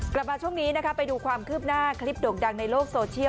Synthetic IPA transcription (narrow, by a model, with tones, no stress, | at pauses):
kla˨˩p̚maː˧t͡ɕʰu˥˩əŋniː˦˥na˦˥kʰa˦˥pa˧jduː˧kʰwaː˧mkʰɯː˥˩p̚naː˥˩kʰli˦˥p̚doː˨˩k̚da˧ŋna˧jloː˥˩k̚soː˧t͡ɕʰi˥˩˨